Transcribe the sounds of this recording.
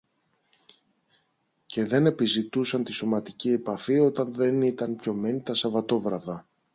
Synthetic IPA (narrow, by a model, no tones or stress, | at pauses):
ce̞ðe̞ne̞pizit̪usɐnt̪isomɐt̪icie̞pɐfio̞t̪ɐnðe̞nit̪ɐnpço̞me̞nit̪ɐsɐvɐt̪o̞vɾɐðɐ